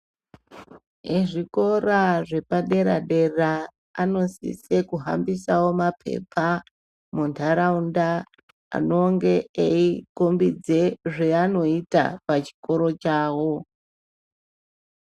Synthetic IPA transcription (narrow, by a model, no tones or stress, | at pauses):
eʐiko̞raʐe̞paɗe̞ɾa̰ɗe̞raː | no̞sḭsekuɦa̰mbisawo̞mapʰe̞̰pʰa | muntʰaɾaunda | a̰noŋɡe̞eikombid͡ze̞ʐeano̞ita̰pat͡ʃi̥ko̞ɾo̞t͡ʃaːwo̞